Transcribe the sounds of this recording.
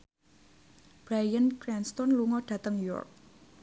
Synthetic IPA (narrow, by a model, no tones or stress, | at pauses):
b̥ɾajənkɾɛnst̪ɔnluŋɔɖ̥ä̤t̪əŋuɔ̰rk̚